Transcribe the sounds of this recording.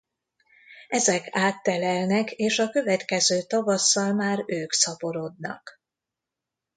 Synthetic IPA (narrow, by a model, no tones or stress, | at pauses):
ɛzɛkʰaːt̪ːɛlɛlnɛkeːʃɒkø̞vɛt̪kɛzøːt̪ɒvɒsːɒlmaːɾøːksɒpo̞ɾo̞d̪nɒ̰k